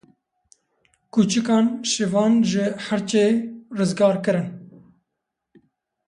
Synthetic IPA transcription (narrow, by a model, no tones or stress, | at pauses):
kuːt͡ʃɨkɑːnʃɨvɑːnʒɪhæɾt͡ʃeːrɨzɡɑːɾkɨɾɨn